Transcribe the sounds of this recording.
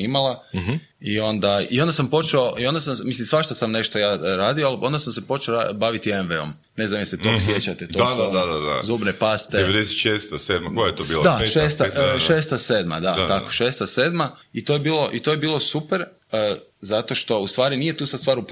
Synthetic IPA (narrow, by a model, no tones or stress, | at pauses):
imala | io̞nd̪aio̞nd̪asampo̞t͡ʃeoʔio̞nd̪asammislimsʋaʃt̪asamne̞ʃt̪ojaːɾaːd̪ioalo̞nd̪asamsepo̞t͡ʃeoɾabaʋit̪ienʋeo̰m | ne̞znamjeset̪omsjet͡ɕat̪et̪oad̪d̪ad̪a̰zuːbnepast̪eeʋed̪eset̪ʃest̪aseːd̪̚makojajet̪obiːld̪aʃeːst̪aʃeːst̪aseːd̪ma̰d̪at̪akkoʃeːst̪aseːd̪ma | it̪oːjebiːlo̞ʔit̪oːje̞biːlˠo̞supeɾ | əzat̪o̞ʃt̪o̞ust̪ʋaːɾiniːje̞t̪uːsast̪ʋaːɾup